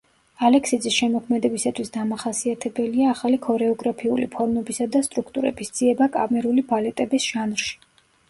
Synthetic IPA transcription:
alɛksid̪zisʃɛmɔkʰmɛd̪ɛbisat̪ʰwisd̪amaχasiat̪ʰɛbɛliaːχalikʰɔɾɛɔɡɾapʰiṵlḭpʰɔɾmɛbisad̪ast̪ʼɾukʰt̪ʼuɾɛ̰bisd̪z̥iɛbakʼa̰mɛɾulibalɛt̪ʼɛbisʒ̥anɾʃi̥

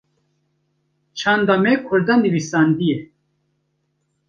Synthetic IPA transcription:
t͡ʃʰɑnd̪amekʰʊɾd̪anivisand̪ije

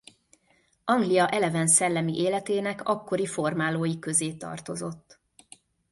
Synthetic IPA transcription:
ʔɒŋɡliɒʔɛlɛvɛnsɛlːɛmiʔeːlɛt̪eːnɛkɒkːo̞ɾifo̞rmaːloːjikø̞zeːt̪ɒ̰rt̪o̞zo̞t̪ː

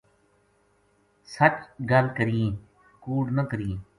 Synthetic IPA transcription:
sət͡ʃɡəlkəɾijẽː | kuːɖnəkəɾiẽː

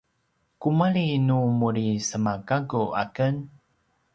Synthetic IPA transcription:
kumaɭinumuɾisəmaɡaɡuʔa̰kən

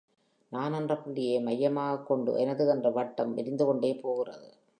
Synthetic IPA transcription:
naːnɐndrɐpːɪɳɽɪjeːmɐjːɐmaːɣɐkːɔɳɖɯ̰ʔɛnɐðɯɛndrɐʋɐʈːɐmɪ̰ɾɪnd̪ɯkɔɳɖeːpoːɣɯrɐ̰ðɯ

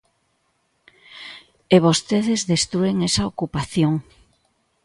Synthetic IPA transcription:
eβost̪eðezðest̪ɾueŋesaokupaθjoŋ

